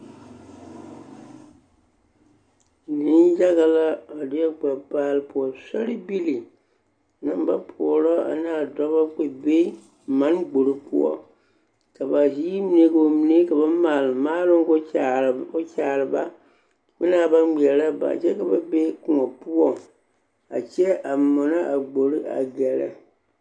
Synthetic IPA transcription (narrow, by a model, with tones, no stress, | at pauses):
nɨ˦nd͡ʒa˦ɣa˨la˦a˨dɪ˦ɛ˦ɡ͡ba˨baː˦lɨ˦pu˨ɔ˨sa˦ɾi˦bi˦li˨ | nɨ˦mba˦pʰɔ̰˨ɔ˨lɔ˦a̰˨naː˨dɔ˦ba˦k͡pe˨be˦ | ma˦nɡ͡bo˨ɾɨ˨pṵ˦ɔ̰˦ | ka˨ba˨ziː˦mi˨˦ne˦ɡo˨mi˨ne˦ka˨ba˦maː˨lɨ˨maː˦lɨ˦ŋ˦ɡo˦˨˦ | t͡ʃaː˨ɾɨ˨ba˦ | bɨ˦naː˨ba˦nɡ͡bɛ˨la˦ba̰˨t͡ʃɛ˦ka˨ba˦be˦kʊ˨ŋɔ˨pu˦ɔ˦ | a̰˨t͡ʃɛ˦ʔa˨mɔ˨na˦ʔa˨ɡ͡bo˨ɾɨ˦a̰˨ɡɛ˨la̰˨